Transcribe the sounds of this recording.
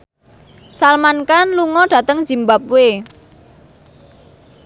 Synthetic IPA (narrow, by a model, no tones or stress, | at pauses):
salmankanluŋɔɖ̥ä̤t̪əŋz̥imbap̚we